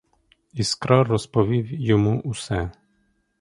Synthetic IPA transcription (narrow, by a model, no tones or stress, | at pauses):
iskɾɔɔspɔʋʲiwjɔmuʔusɛ